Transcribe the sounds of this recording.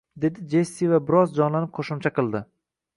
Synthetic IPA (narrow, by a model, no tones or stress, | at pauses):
d̪e̞d̪ɪd͡ʒesːivabɪɾɒzd͡ʒɒnlanɪp̚qʰoʃʊmt͡ʃʰaqɨlˠd̪ɪ